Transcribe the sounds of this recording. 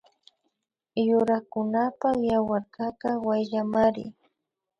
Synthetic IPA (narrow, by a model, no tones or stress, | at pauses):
jʊɾakʊnapajawaɾkakawajʎamaɾɪ̰